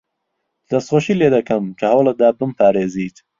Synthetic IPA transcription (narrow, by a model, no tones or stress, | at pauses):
z̥ɐst̪χoʃiːleːd̪ɐkʰɐmkʰɐhawlɐd̪aːbəmpʰaːɾeːziːt̪